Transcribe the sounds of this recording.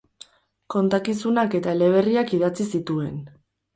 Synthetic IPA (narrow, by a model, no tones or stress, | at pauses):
ko̞nt̪akisunake̞t̪aele̞β̞e̞riakiðat͡sisit̪ue̞n